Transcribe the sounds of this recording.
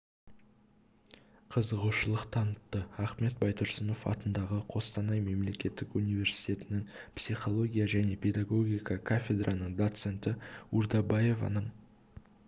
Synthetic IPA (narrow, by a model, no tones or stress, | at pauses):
qʰəzəʁuʃəlˠəqt̪ʰɑnət̪ːəɑχme̞t̪̚bɑjt̪ʰʊɾsəno̞fɑ̰t̪ənd̪ɑʁəqʰo̞st̪ɑnɑjme̞mle̞kʲe̞t̪ːɪkunijvʲe̞ɾsi̥jt̪ʲe̞t̪ɪnɪŋpsiχo̞lˠo̞ɡʲijaʒæne̞pʲʰe̞d̪aɡo̞ɡʲijkəkʰafʲe̞d̪ɾʔanəɴd̪o̞t̪se̞nt̪ɪuɾd̪ɑbaje̞vɑ̰nəɴ